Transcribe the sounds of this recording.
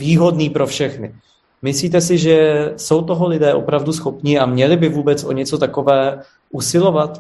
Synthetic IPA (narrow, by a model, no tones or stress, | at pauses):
viːɦo̞dniːpɾo̞fʃɛxnɪ | mɪsliːt̪̬ɛsɪʒɛso̞wt̪oɦolɪdɛːʔo̞̰pɾavdusxo̞pɲɪamɲɛlɪbɪvuːbɛt͡sʔo̞̰ɲɛt͡so̞t̪ako̞vɛː | ʔusɪlo̞vat̪